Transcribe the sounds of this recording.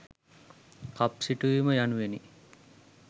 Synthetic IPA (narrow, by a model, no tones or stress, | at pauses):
kapsiʈuʋiməjanuʋeni